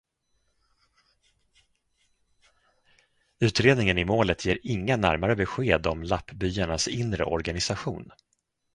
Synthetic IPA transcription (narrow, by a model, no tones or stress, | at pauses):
ʉ̟ːt̪ɾeːd̪nɪŋənɪmoːlət̪jeːɾɪŋːanæ̰ɾmaɾəbɛɧeːd̪ɔmlapːbyːaɳasɪnɾə̰ʔɔɾɡanɪsaɧṵːn